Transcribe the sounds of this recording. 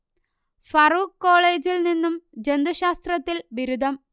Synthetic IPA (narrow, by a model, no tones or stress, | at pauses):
fɐruːkːoːɭe̞ːd͡ʑilninːumd͡ʑend̪uɕaːst̪rɐt̪ːilʋiɾud̪ʱɐm